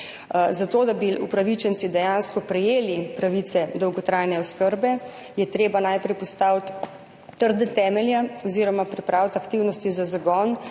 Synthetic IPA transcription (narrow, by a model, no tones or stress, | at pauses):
zat̪oːd̪abiupɾaʋit͡ʃɛnt̪sid̪ɛjanskɔpɾɛjeːlipɾaʋit̪sɛd̪ɔwɡɔt̪ɾaːjnɛɔskəɾbɛ | jɛt̪ɾeːbanajpɾɛjpɔst̪awt̪ː | əɾd̪ɛt̪ɛːmɛljaɔziɾɔmapɾipɾaːwt̪akt̪iwnɔst̪izazaɡɔn